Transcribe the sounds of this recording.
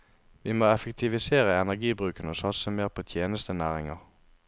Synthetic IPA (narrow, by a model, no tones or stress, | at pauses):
ʋiːmoːɛfək̚t̪ʰɪʋɪseːʁəɛnæʁɡiːbʁʉːkənəoːsɑt̪səmeːʁpʰoːt̪ʰjeːnəst̪ənæːʁɪŋɑ̰ʁ